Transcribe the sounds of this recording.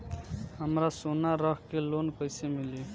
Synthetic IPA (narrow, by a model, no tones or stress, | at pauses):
ɦəmɾasonaɾəkkelonkəjsemɪli